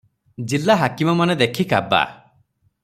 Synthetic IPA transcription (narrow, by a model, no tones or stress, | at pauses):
d͡ʒilːaɦakimɔmaned̪ekʰikaba̰